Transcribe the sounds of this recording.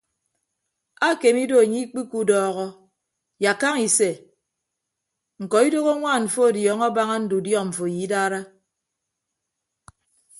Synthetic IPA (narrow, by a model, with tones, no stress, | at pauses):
a˦ke˨mi˦do˦a˨ɲi˦k͡pi˦ku˦dɔː˦ɣɔ˦ | ja˨ka˦ŋi˨se˨ | ŋ̩˨kɔ˨i˦do˦ɣo˦ŋʷaː˦˨ɱ̩˨fo˦a˨djɔ˨˦ŋɔ˦ba˦ŋa˦n̩˦du˨djɔ˦˨ɱ̩˨fo˨ji˨˦daː˦ɾa˦